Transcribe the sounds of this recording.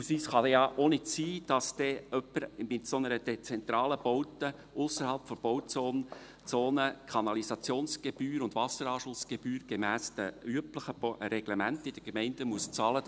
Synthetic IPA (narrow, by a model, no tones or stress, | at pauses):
usiːsχɑdɛjɑʔonɪtsiːd̥ɑsd̥ɛœpːəɾmɪtsonəɾəd̥et͡sɛnt̪ɾɑːləb̥ɔwtə | ʔʊsəɾhɑlpfɔb̥ɔwt͡soːn | t͡soːnəkʰɑnɑlisɑt͡sjoːnsɡ̥eb̥yːɾʊndvɑsəɾɑːʃʊsɡ̥eb̥yːɾɡ̥emæːsd̥əyəpləχəɾɛɡ̥lemæntɪd̥əɡemɛɪndəmuəst͡sɑːlə